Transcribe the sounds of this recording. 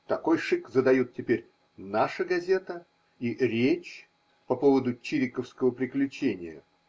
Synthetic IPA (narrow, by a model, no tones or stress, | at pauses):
t̪ɐko̞jʂɨkzəd̪ɐjut̪̚ʲtʲɪpʲeɾʲ | naʂəɡɐzʲe̞t̪ə | iɾʲet͡ɕ | pɐpo̞vəd̪ʊt͡ɕiɾʲɪkəfskəvəpɾʲɪklʲʉt͡ɕenʲɪjə̰